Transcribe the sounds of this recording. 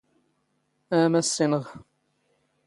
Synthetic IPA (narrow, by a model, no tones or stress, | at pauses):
æmæsːinəʁ